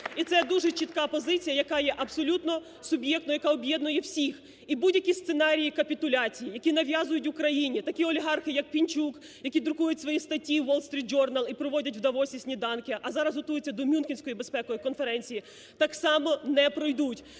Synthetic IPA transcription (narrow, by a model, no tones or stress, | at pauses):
it̪sɛd̪uʒɛt͡ʃit̪kɑpɔzɪt͡sʲijɐjɐkɑjɛʔɐbsɔlʲut̪nɔ | sʊbʲjɛk̚t̪nɔjɐkɑɔbʲjɛd̪nʊjɛwsʲix | ibudʲjɐkʲist̪senɑɾʲijikɐpʲit̪ʊlʲɑt͡sʲijijɐkʲinɐʋʲjɑzʊjʊtʲʋʊkɾɐjinʲit̪ɐkʲiɔlʲiɦɑrxɪjɐk̚pʲinʲt͡ʃuk | jɐkʲid̪ɾʊkujʊtʲsʋɔjist̪ɐtʲːiʋɔlˠst̪ɾʲit̪̚d͡ʒɔrnɐlˠipɾɔʋɔdʲɐtʲwd̪ɐʋɔsʲisʲnʲid̪ɑnkʲɪʔɐzɑɾɐzɦɔt̪ujɪt͡sʲːɐd̪ɔmʲunxʲɪnʲsʲkɔjibespɛkɔjikɔnfeɾɛnʲt͡sʲiji | t̪ɑksɑmɔnɛpɾɔjd̪utʲ